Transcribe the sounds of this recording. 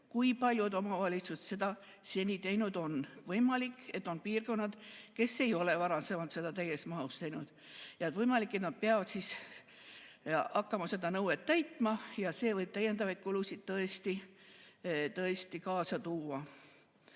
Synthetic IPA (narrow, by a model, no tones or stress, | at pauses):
kujpɑlʲjud̪o̞mɑvɑlʲit̪susse̞d̪̥ɑ | se̞nʲit̪e̞jnud̪̥o̞nvɤjmɑlikːe̞t̪ːˑo̞npiːrko̞nːɑd̪̥ke̞sːe̞jo̞le̞vɑɾɑsevɑnt̪se̞d̪̥ɑt̪æjesmɑost̪ejnud̪̥ | jɑet̪vɤjmɑlikːˑe̞t̪nɑd̪̥̚peɑvɑd̪̥sis | ɑkːɑmɑse̞d̪ɑnɤwet̪ːæjt̪ːˑmɑjɑse̞ːvɤjb̥̚t̪æje̞nd̪ɑvɑjd̪̚kulusid̪̥̚t̪ɤest̪i | t̪ɤest̪ikɑːsɑt̪uːɑ